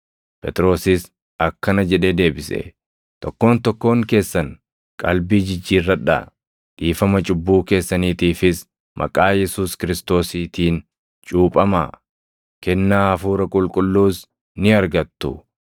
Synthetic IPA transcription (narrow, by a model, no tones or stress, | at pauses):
pʼɛt̪ʼɾo̞ːsɪs | ʔɐkːɐnɐd͡ʒɛᶑe̞ːd̪e̞ːbɪsɛ̰ | t̪ɔkːo̞ːnt̪ɔkːo̞ːŋke̞ːsːɐn | kʼɐlbiːd͡ʒɪd͡ʒːiːrːɐᶑɐ̰ | ᶑiːfɐmɐt͡ʃʼʊbːuːke̞ːsːɐniːt̪iːfɪs | mʔɐ̰kʼaːjɛsuːskɪɾɪst̪o̞ːsiːt̪iːn | t͡ʃʼuːpʼɐma̰ː | kɛnːaːɐfuːɾɐkʼʊlkʼʊlːuːs | nɪɐɾɡɐt̪ːʊ